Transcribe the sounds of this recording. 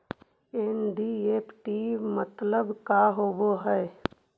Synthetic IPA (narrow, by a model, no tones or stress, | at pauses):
eːnɖieːpʰʈimət̪ləbkaɦoboɦɛː